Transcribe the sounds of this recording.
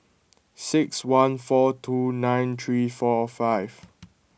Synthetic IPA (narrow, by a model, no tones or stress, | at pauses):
sɪkswãnfɔtʰunãɪ̃nt̪ʰɹifɔfaɪv